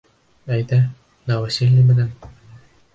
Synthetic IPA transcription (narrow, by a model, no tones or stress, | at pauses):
æjt̪æ | næwæsʲilʲːɘmɘ̆næn